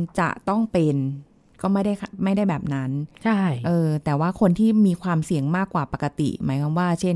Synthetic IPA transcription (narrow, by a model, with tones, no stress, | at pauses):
t͡ɕa̰˨˩ʔt̪ɔ˥˩ŋpe˧n | kɔː˥˩ma˥˩jda˥˩jma˥˩jda˥˩jbɛː˨˩p̚na˦˥nt͡ɕʰa˥˩ʔɤː˧t̪ɛː˨˩waː˥˩kʰo˧nt̪ʰiː˥˩miː˧kʰwaː˧msi˨˩˦əŋmaː˥˩kːwaː˨˩pa˨˩ka˧t̪ḭ˨˩ma̰ː˩˦jkʰaː˧mwaː˥˩t͡ɕʰe˥˩n